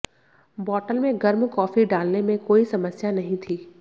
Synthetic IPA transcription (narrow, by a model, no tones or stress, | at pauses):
bɔːʈəlmẽɡɐɾmkɔːfiɖaːlnemẽkoːisɐməsjanɐɦĩt̪ʰiː